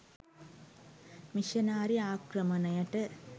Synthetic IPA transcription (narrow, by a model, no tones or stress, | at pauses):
miʃɐnaːɾiaːkɾɐmɐnɐjɐʈːɐ